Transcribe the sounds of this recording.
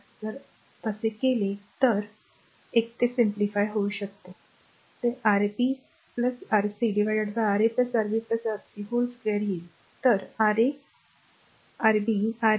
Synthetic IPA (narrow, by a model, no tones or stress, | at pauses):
d͡zəɾ | t̪əsekelet̪əɾ | ek̚t̪esimplifajɦouɕək̚t̪o | t̪eʔaɾpi | pləsaɾsiɖiʋajɖəɽt̪aaɾepləsaɾbiːpləsaɾsiɦolskʋeəɾjeli | t̪əɾaɾe | aɾbia